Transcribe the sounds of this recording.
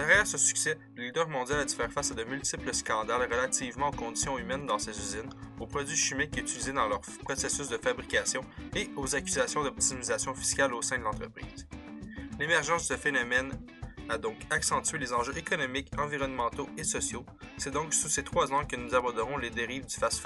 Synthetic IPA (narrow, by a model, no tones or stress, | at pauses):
d̪ɛʁjɛːʁsəsy̥ksɛ | lid̪œʁmɔ̃d̪jalad̪ifɛːʁfasad̪əmylt̪ipləskɑ̃d̪alʁəlat̪iːvmɑ̃okɔ̃d̪i̥sjɔ̃ymɛnd̪ɑ̃sezyzɪnopχɔdzɥiʃimɪkːyt̪ylized̪ɑ̃lœʁ | pχɔsesʏs̬d̪əfabʁikʲasjɔ̃eozakʲyzasjɔ̃d̪ɔp̚t̪imizasjɔ̃fi̥skʲalosɛ̃d̪əlɑ̃t̪χəpχḭːz̥ | lemɛʁʒɑ̃sdəd̪əfenɔmɛn | ad̪ɔ̃kaksɑ̃t̪ɥelezɑ̃ʒøʔekɔnɔmɪkɑ̃viʁɔnmɑ̃t̪oesɔsjo | sɛd̪ɔ̃ksuset̪χwazɑ̃kənuzabɔʁd̪əʁɔ̃led̪eʁiːvd̪y̥fasf